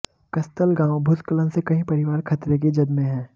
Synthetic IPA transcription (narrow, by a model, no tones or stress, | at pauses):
kɐst̪əlɡãːwbʱʊt̪kələnsekɐɦĩpɐɾɪʋaːɾkʰɐt̪ɾek̬ed͡ʒɐd̪mẽɦɛ̃ː